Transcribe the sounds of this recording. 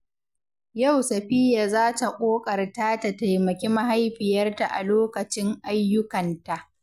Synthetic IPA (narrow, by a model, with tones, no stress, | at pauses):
ja˦˨wsɐ˨ɸɪ˦ja˨zaː˦ta˨kʷʼoː˦kʼɐ˨rtaː˦ta˨ta˨jmɐ˨kʲeː˦ma˦ɦa˦jɸɪ˨jɐ˦rta˨ʔa̰˨loː˦kɐ˨t͡ʃɪ˦ŋʔa˦jːʊ˦kɐ˨nta˨ʔ